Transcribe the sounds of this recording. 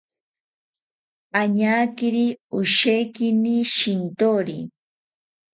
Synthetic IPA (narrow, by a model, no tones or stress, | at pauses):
aɲaːkɪɾiʊʃejkɪniʃɪnt̪oɾḭ